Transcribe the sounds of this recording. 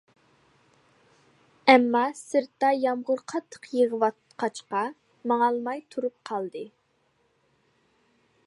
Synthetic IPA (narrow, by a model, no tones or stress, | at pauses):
ɛmːɑsɨɾt̪ːɑjɑmʁʊɾqʰɑt̪ʰːə̥qjəʁəwɑt̪qʰɑt͡ʃqɑ | mɑŋɑlˠmɑjt̪ʰuɾup̚qʰɑlˠd̪ɨ